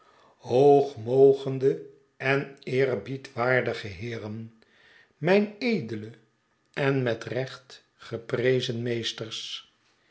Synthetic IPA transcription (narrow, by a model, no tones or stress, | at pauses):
ɦowχmowχəndə | ɛnɪːrbitʋaːɹdəχəɦɪːrən | mɛjnejdələ | ɛnmɛtrɛχt | χəprejzənmejstəɹs